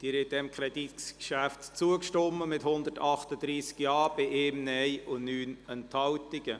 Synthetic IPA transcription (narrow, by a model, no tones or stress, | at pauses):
d̥iːɾɛt̚dɛmkʰɾɛd̥itkʃæftt͡suəkʃtɔmːəmɪthʊnd̪ətʰɑχtəd̪ɾiːskjɑːbɪʔeːmnɛjʊnnyːnənthɑwtɪɡ̥ə